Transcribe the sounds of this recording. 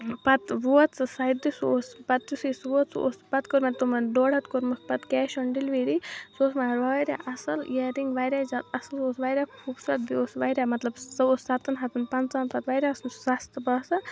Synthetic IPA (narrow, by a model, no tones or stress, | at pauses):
pɐt̪ʋuɐt̪t͡sɨsɐjd̪isoːspɐt̪t͡ʃusisʋuɐt̪so̰ːspɐt̪koɾmɐt̪omɐɖoːɽɐt̪koɾmɐspɐt̪kɛːʃɐɳɖilʋiːɾisoːsmaɾʋaɾa̰ʔɐsɐljeɾiŋɡʋajɾʲaːzɐt̪ɐsɐlsoːsʋaːjɾʲaːkʰubsɐt̪̚bioːsʋaːɾʲamɐt̪lɐbɐoːsɐt̪ɐnɦɐt̪unpɐnt͡saːnpɐt̪ʋaːjɾʲaːsnsɐst̪bɐsɐ